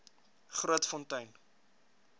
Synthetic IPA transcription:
χruətfɔntɐjn

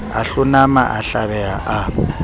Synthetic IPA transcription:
aɬʊnamaʔaɬaβɛaʔa

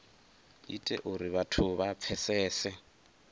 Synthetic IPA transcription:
ḭtʼɛ̰ʔʊɾiβatʰʊβap̪fʰɛsɛːsɛ

